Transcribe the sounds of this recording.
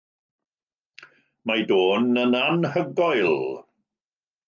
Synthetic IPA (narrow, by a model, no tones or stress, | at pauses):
majdoːnːənanhəɡɔjlˠ